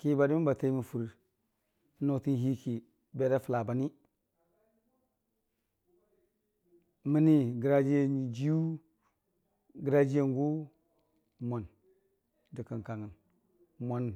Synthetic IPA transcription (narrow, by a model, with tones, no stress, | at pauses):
ki˦ba˨di˦mi˦ba˨te˦mi˨fu˨ɾ | no˨ti˦ɦi˦ki˨ | be˦da˦fu˨la˨ba˨ni˦ | mi˦ni˦ɡi˨ɾa˦d͡ʒi˦je˦˨d͡ʒi˦ju˦ | ɡi˨ɾa˦d͡ʒi˦je˦ŋɡu˦ | mʷo˨n | di˨ki˨nka˨ŋə˨n | mo˨n˨